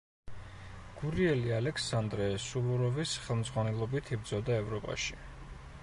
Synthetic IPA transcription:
ɡ̥uɾiɛlialɛkʰsand̪ɾɛsuvuɾɔvisχɛlˠmd̪zʁwanɛlˠɔbit̪ʰibd̪zɔd̪aɛvɾɔpʼa̰ʃi̥

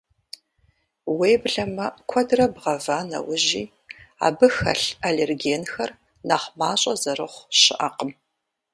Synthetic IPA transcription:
wejbɮɐmɐkʷʰɐdrɐbʁɐvaːnɐ̰wʊʑiː | a̰ːbɨxɐ̰ɬaleːrɡeːnxɐr | naːχmaːɕʼɐzɐrɨχʷɕɪʔaqəm

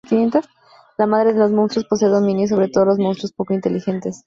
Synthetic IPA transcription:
kinjent̪os | lamaðɾe̞ðe̞lo̞zmõnst̪ɾospos̬eðomĩnjos̬o̞β̞ɾet̪o̞ðolo̞zmonst̪ɾospo̞koint̪e̞lixe̞nt̪e̞s

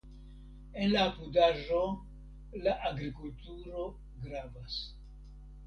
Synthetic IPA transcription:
enlapudaʒo̞ | laʔaɡɾikultuɾo̞ | ɡɾavas

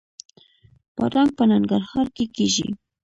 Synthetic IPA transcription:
pa̰ɾaŋ̚panaŋɡaɾhaɾkɪkɪʒɪ̰

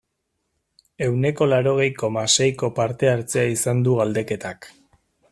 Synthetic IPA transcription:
e̞wne̞ko̞laɾo̞ɣ̞e̞jko̞mase̞jko̞paɾt̪e̞aɾt͡se̞aisand̪uɣald̪e̞ke̞t̪ak

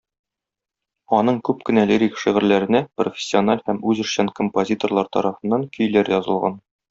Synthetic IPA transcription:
ɒnɤɴkʉpkɘ̆næliɾʲikʃiʁɘ̆ɾlæɾɘ̆næprofʲɪ̥sʲːionalhæmʉzɵ̆ʃɕænkompozʲit̪orlˠɑɾt̪ɒ̰ɾɑfɤ̆nːɑŋkʰɵ̆jlæɾjɒzɤ̆lˠʁɑ̰n

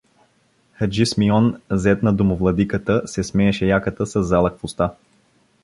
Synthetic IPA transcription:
xəd͡ʒismiɔnzɛt̪nɐd̪omovlˠɐd̪ikət̪əsɛsmɛɛʃɛjakət̪əsɐzːalˠɐkvost̪a

